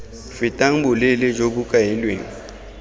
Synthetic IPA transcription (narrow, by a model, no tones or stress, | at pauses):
fɪtʼaŋ̩bʊlɪlɪd͡ʒok̬ʊkʼaɪlwḛːŋ̩